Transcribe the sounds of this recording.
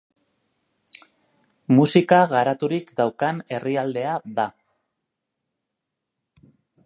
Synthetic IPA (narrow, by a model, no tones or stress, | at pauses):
musikaɣaɾat̪uɾikd̪awkane̞riald̪e̞aða